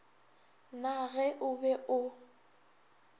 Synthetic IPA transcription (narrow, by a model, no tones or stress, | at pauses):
naɣɛʔʊbɛʔʊ